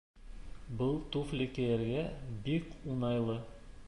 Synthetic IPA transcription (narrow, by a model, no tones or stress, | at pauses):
bɤlˠt̪uflɘkæjæɾɡæbikunɑjlˠɤ